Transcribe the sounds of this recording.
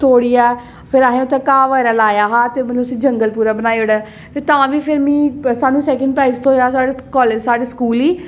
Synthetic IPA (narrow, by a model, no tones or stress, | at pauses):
t̪ʰoːɽiːɛː | pʰɪɾaːɦẽːõt̪ẽːkãːʋəɡɛːɾaːlaːjaːɦãːt̪eːmət̪ləbəsĩːd͡ʒəŋɡəlpuːɾaːbənaːioːɽɛː | t̪et̪ãːʋiːpʰɪɾmĩːsaːnũːsɛːkə̃ɳɖpɾaːɪzt̪ʰõːɦjaːsaːɖekɔːled͡ʒsaːɽeːskuːliː